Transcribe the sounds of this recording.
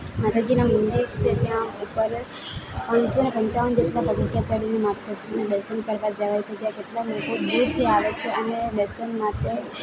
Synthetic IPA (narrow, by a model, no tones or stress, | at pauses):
mat̪ʰad͡ʑinamʊnd̪ikt͡ʃʰet̪jãupəɾ | pãnsonepə̃ɲt͡ɕaʋənd͡ʑeʈlapəɡət̪jat͡ɕəɽinimat̪əd͡ʒʰined̪əɾʃənkəɾʋad͡ʒəʋajt͡ʃʰed͡ʒjãkeʈlamoʈob̪uɾt̪ʰjõaʋet͡ʃʰeəned̪əɾʃənmãt̪e